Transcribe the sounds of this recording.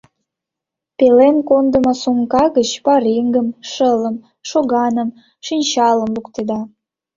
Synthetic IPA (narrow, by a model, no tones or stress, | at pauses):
pelenkond̪əmosuŋkɑɣət͡ɕpɑɾiŋɡəmʃələm | ʃoɣɑnəm | ʃinʲt͡ɕɑlə̆mlukt̪ed̪ɑ